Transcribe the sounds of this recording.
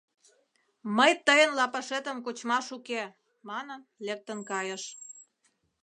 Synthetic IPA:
məjt̪əjənlɑpəʃet̪ə̆mkot͡ɕmɑʃuke | mɑnənlek̚t̪ənkɑjəʃ

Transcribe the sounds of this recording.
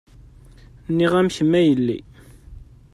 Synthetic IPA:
nːiʁæmçəmːæjəlːḭ

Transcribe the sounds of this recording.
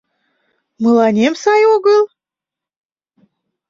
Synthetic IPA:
məlˠɑnʲemsɑjoɣəlˠ

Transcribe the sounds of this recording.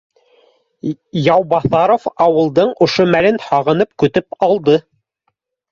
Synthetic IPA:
jɑwbɑθɑɾofɑwɤ̆lˠd̪ɤɴŏʃomælɘnhɑʁɤ̆nɤp̚kɵ̆t̪ɵpɑlˠd̪ɤ

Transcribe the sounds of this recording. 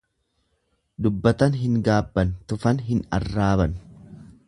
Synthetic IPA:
d̪ʊbːɐt̪ɐnɦɪŋɡaːbːɐnt̪ʊfɐnɦɪnɐ̰rːaːβɐn

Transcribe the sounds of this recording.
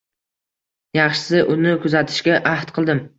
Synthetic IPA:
jɑχʃɪ̥sɪʔʊnɪkʰʊzat̪ʰɪ̥ʃkʲaʔaht̪qʰɨlˠd̪ɪm

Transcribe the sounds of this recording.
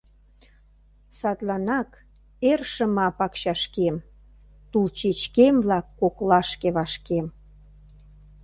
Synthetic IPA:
sɑt̪lɑnɑk | erʃə̆mɑpɑkɕɑʃkem | t̪ult͡ɕet͡ɕkemblɑkːoklɑʃkeβɑʃkem

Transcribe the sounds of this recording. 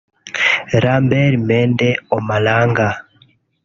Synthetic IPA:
ɾambɛɾimɛːndɛomalaːŋɡa

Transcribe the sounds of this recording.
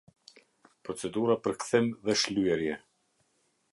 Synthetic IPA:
pɾɔt͡sɛd̪uɾapəɾkθɛmðɛʃlyɛɾjɛ

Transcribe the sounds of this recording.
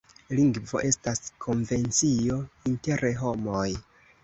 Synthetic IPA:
liŋɡvo̞̰ʔe̞staskʰo̞nve̞nt͡siointe̞ɾeɦo̞moj

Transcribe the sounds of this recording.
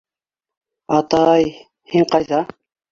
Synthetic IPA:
ɑt̪ɑj | hiɴqɑjðɑ

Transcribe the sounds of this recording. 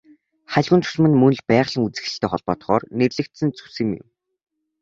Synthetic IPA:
χaɮɣŭnt̪ʰʊ̥smɘ̆nmɵn̆ɮpæːʁɮə̆ŋut͡sɘ̆xɘ̆ɬt̪ʰeːχɔɮpɔːt̪χɔːrnerɮɘ̆kt̪sɘ̆nt͡su̥sɘ̆mjʊ̰m

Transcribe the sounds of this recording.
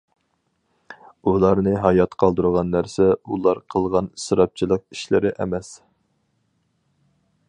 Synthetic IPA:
ulˠɑɾnɨɦɑjɑt̪qʰɑlˠd̪uɾʁɑnːæɾsɛulˠɑɾqʰəlˠʁɑnsɾɑp̚t͡ʃʰilˠəq̚iʃlɪɾɪʔɛ̰mɛs

